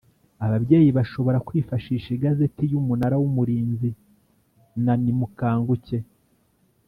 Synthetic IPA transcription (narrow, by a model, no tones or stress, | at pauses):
aβabɟe̞ːjiβaʃo̞βo̞ɾakwiːfaʃiːʃiɡazetijumunaɾawumuɾiːnzi | nanimukaːŋɡuce̞